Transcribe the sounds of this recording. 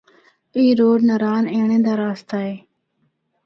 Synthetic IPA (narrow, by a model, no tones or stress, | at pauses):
iːɾoːɖnəɾaːnẽːɳẽːd̪aːɾaːst̪aːɦeː